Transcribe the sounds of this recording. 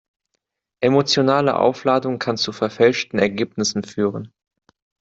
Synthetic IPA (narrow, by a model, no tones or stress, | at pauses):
ʔemot͡sjonaːlə̰ʔa̰ʊflaːdʊŋkʰant͡sufɛɐfɛlʃtn̩ɛɐɡeːpnɪsn̩fyːʁən